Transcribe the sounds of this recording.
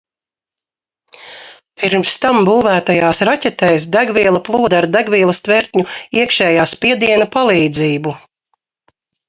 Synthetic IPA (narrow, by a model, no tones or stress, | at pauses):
piɾmst̪ambuːvæːt̪ajaːsɾatʲɛt̪ɛjsd̪æɡviɛlˠɐplˠuːɔd̪aɾd̪æɡviːlˠɐst̪vɛɾt̪ʲɲuiɛkʃɛːjaːspiɛd̪iɛnɐpalˠiːd̪ziːbu